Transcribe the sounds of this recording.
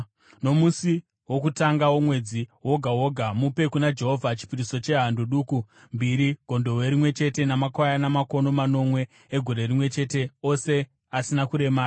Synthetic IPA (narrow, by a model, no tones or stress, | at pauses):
no̞musi | wo̞kutaŋɡawomwe̞d͡ziɦwo̞ɡʱawo̞ɡʱamupe̞kunad͡ʒe̞ɦovʱat͡ʃi̥piɾiso̞t͡ʃe̞ɦandoɗuːku | mbiɾiɡ̥ʱo̞ndo̞weɾimwe̞t͡ʃe̞te̞namakwajanamako̞no̞mano̞mwe̞ː | ɡʱo̞ɾe̞rimwe̞t͡ʃe̞teo̞se̞ | asinakuɾe̞maːi